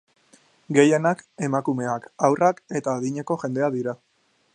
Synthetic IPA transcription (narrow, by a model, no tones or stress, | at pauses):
ɡe̞je̞nake̞makume̞akawrʔake̞t̪aːðiɲe̞ko̞ʝe̞nd̪e̞aðiɾa